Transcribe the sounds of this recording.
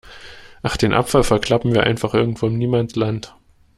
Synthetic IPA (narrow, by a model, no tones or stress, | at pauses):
ʔaχd̥eːnʔa̰pfalfɛɐkʰl̥apm̩viːɐʔa̰ɪnfaχʔɪɐɡŋ̩tv̥oːɪmniːmanslant